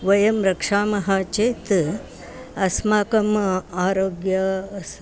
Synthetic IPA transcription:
ʋɐjɐmɾɐkʂaːmɐɦɐt͡ʃeːt̪ | ɐsmaːkɐmaːɾoːɡjɐs

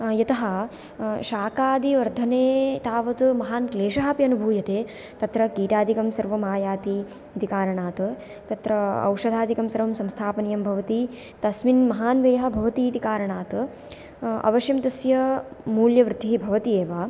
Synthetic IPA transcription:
jɐt̪ɐɦɐ | ʃaːkaːd̪iʋɐɾd̪ʱɐneːt̪aːʋɐt̪umɐɦaːnkleːʃɐɦaːpiɐnubʱuːjɐt̪eː | t̪ɐt̪ɾɐkiːʈaːd̪ʱikɐmsɐɾʋɐmaːjaːt̪iː | t̪ikaːɾɐɳaːt̪ɐ | t̪ɐt̪ɾɐɐ̰wʂɐd̪ʱaːd̪ʱikɐmsɐɾʋɐmsɐmst̪ʰaːpɐnijɐmbʱɐʋɐt̪i | t̪ɐsminmɐɦaːnʋeːɦɐ̆bʱɐʋɐt̪iːt̪ikaːɾɐɳaːt̪ | ɐ̰ʋɐʃjɐmt̪ɐsjɐmuːljɐʋɾɪt̪iɦibʱɐʋɐt̪ieːʋaː

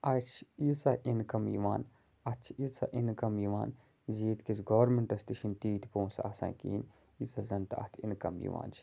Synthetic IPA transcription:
ɐt͡ʃʰisɐʔinkɐmjḭʋaːn | ɐtt͡ʃʰisɐʔinkɐmjiʋaːn | ziːt̪kisɡɐʋɾmeɳʈɐst̪iʃint̪iːt̪ʰpoːnsɐ̰sã̰ːkḭːn | izɐzɐnt̪ɐ̰t̪ʰḭnkɐmjḭʋa̰ːnt͡ʃʰ

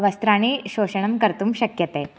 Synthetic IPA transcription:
ʋɐst̪ɾaːɳ̃iɕoːɕɐɳ̃ɐmkɐɾt̪umɕɐkjɐt̪eː

